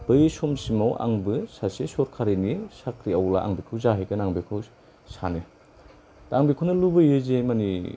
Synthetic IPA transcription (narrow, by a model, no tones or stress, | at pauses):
bɯjsomsimawʔa̰ŋbɯsasesɔɾkʰaɾinisakɾiawla̰ʔa̰ŋbikʰɯwzaɦejkɯnaŋbikʰɯw | sani | taŋbikʰɯwnɐlubɯjɯzemani